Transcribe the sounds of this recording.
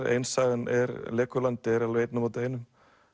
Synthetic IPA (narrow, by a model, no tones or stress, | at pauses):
ɾḛjnsaːðɪnʔɛɾlɛːkʏlant̪ɪɾalvejt̪namoːt̪ɪeːjnʏm